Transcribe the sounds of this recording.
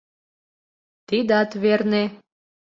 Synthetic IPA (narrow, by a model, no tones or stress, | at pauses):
t̪id̪ɑt̪βerne